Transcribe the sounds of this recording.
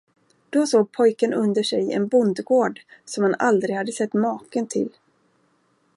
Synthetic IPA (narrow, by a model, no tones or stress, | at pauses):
d̪̥ɔsoːɡ̚pʰɔjkənɵnd̪əʂɛjɛ̰nbʊnd̪ɡoːɖsɔmhanald̪ɾɪɡhad̪ːəsɛt̪ːmɑːkənt̪ʰɪ̰l